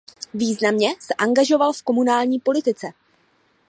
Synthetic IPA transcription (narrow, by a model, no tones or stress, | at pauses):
viːznamɲɛsɛʔaŋɡaʒo̞valfko̞munaːlɲiːpo̞lɪt̪ɪt͡sɛ